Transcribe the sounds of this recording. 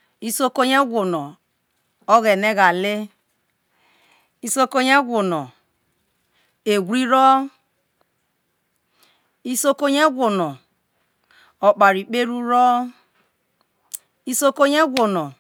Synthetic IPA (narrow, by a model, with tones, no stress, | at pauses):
i˦so˦ko˦ɲe˦ɡʷo˨no˨ | o˦ɣe˨ne˦ɣa˨le˦ | i˦so˦ko˦ɲe˦ɡʷo˨no˨ | e˨ɡʷɾi˦ɾo˦ | i˦so˦ko˦ɲe˦ɡʷo˨no˨ | o˨k͡pa˨ɾi˨k͡pe˦ɾu˦ɾo˦ | i˦so˦ko˦ɲe˦ɡʷo˨no˨